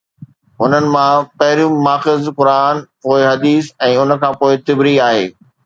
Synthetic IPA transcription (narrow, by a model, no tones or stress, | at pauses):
ɦʊnənɪ̆mãpɐɦɪɾjũmaːxɪzkʊɾaːnpoːɪɦɐd̪iːsɛ̃ːʊnə̆kʰãːpoːɪt̪ɪbɾiaːɦḛː